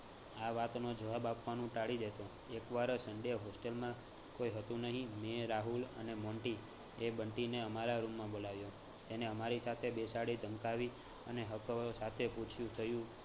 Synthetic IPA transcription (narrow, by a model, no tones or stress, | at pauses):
aʋat̪nod͡ʒəʋabapʋanũʈaɽid̪et̪o | ekʋaɾsəɳɖeɦosʈəlmã | koiɦət̪ũnəɦĩmeɾaɦulə̰nemɔɳʈi | ebəɳʈineəmaɾaɾumːãbolaʋjo | t̪eneəmaɾisat̪ʰebesaɽid̪ʱəmkaʋi | əneɦəksat̪ʰeput͡ʃʰjũt̪ʰəjũ